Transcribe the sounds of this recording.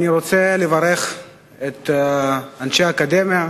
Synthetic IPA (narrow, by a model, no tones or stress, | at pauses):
aniɾot͡selevaɾe̞χ | et̪ | anʃeaːkad̪emia